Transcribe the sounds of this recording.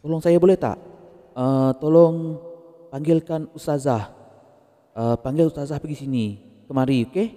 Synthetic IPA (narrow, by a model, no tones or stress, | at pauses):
t̪olɔŋsajabolɛht̪a̰ʔ | ət̪olɔŋ | paŋɡɪlkanust̪azah | əpaŋɡɪlust̪azahpaɡisinikəmaɾioke